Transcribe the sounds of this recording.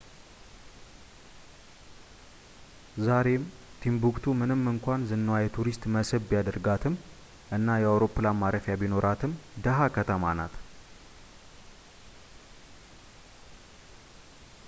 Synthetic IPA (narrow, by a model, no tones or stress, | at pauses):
zaɾe̞m | t̪ʰimbukt̪ʰumɨnɨmːɨŋkʷanzɨnːəwajɛt̪ʰuɾist̪məsɨβːijad̪əɾɡat̪ʰɨm | ʔɨnːajɛawɾo̞pːɨlamaɾəfjabino̞ɾʔat̪ʰɨmd̪əɦakʰət̪ʰəmana̰t̪